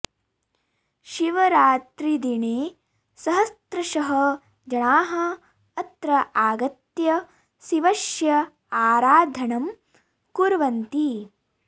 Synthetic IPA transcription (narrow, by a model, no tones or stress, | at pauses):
ʃiʋɐɾaːt̪ɾid̪iɳeː | sɐɦɐst̪ɾɐʃɐɦɐ | d͡ʒɐɳaːɦɐ | ɐt̪ɾɐʔaːɡɐt̪jɐ | siʋɐʃjɐ | aːɾaːd̪ʱɐɳɐm | kuɾʋɐnt̪i